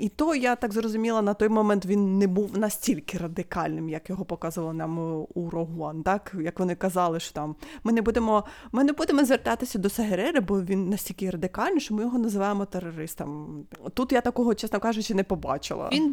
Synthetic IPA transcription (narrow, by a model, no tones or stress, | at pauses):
it̪ɔjat̪ɑɡzrɔzʊmʲilˠɐnɐt̪ɔjmɔmɛnt̪ʋʲinːɛbuwnɐsʲtʲilʲkɪrɐd̪ɪkɑlʲnɪmjɐkjɔɦɔpɔkɑzʊʋɐlˠɐnɑmuɾɔɦɔnt̪ɑkjɐkʋɔnɪkɐzɑlˠɪʃɔ̥t̪ɑmmɪnɛbud̪emɔmɪnɛbud̪emɔzʋert̪ɑt̪ɪsʲɐd̪ɔsɐɦeɾɛɾɪbɔʋʲinːɐsʲtʲilʲkʲɪɾɐd̪ɪkɑlʲnʲiʃt͡ʃɔmɪjɔɦɔnɐzɪʋɑjemɔt̪erɔɾɪst̪ɐ̰mt̪ut̪jat̪ɐkɔɦɔt͡ʃɛsnɔkɑʒʊt͡ʃɪnɛpɔbɑ̰t͡ʃɪ̰lˠɐ̰in